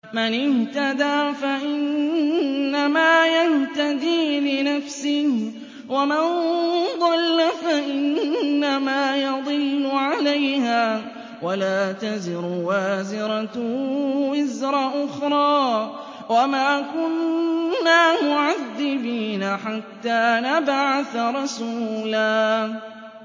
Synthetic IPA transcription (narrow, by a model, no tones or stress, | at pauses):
manɪht̪ad̪aːfaʔɪnː | amaːjaht̪ad̪iːlɪnafsɪh | wamand̪ˤɑlːafaʔɪnːamaːjɑd̪ˤɨlːʊʕalajhaː | walaːt̪azɪɾʊwaːzɪɾat̪ | wɪzɾˤɑʔʊxɾˤɑː | wamaːkʊnː | aːmʊʕaðːɪbiːnaħat̪ːaːnabʕaθɾˤɑsuːlaː